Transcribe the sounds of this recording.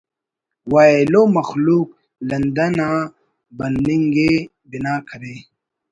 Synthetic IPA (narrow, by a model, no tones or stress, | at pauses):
waːelomɐxluːk̚ | lɐnd̪ɐna | bɐniŋɡe | binaːkʰɐɾe